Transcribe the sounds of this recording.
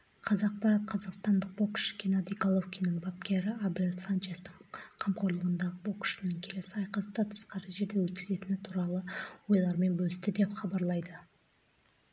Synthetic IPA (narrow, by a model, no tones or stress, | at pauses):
qʰɑzɑq̚pɑɾɑt̪̚qʰɑzɑqst̪ɑnd̪əq̚bo̞kʏ̥ʃɪ̥kʲʰenad̪ijkolˠofkʲijnɪŋbap̚kʲe̞ɾɪablʲet̪sant͡ʃest̪əɴqʰɑmqo̞ɾlˠəʁənd̪ɑʁəbo̞kʏ̥ʃt̪nəŋkʲʰe̞le̞sɪɑjqɑsət̪ɑt̪ʰə̥sqɑɾəʒe̞ɾd̪ewɵt̪̚kʲɪ̥ze̞t̪ɪnɪt̪ʰuɾɑlˠəwo̞jlˠɑɾme̞nbɵlɪst̪ɪd̪e̞pχɑbɑɾlˠɑjd̪ə